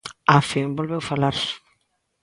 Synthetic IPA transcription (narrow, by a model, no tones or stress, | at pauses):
afimbolβewfalaɾs